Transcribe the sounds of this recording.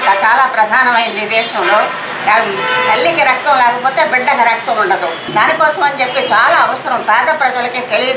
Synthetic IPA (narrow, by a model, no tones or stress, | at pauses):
nt̪aːt͡ʃaːlaːpɾɐd̪ʱaːnɐmɐjind̪id̪ɛːʂɐmlo̞ː | t̪ɐɭːikiɾɐk̚t̪ɐmlɛːkɐpoːt̪e̞ːbiɖːɐɡɐɾɐk̚t̪ɐmuɳɖɐd̪u | d̪aːnikɔːsɐmɐnt͡ʃe̞pːeːt͡ʃaːlaːɐʋɐsɐɾɐmpɛːd̪ɐpɾɐd͡ʒɐlɐkiːt̪eliɡ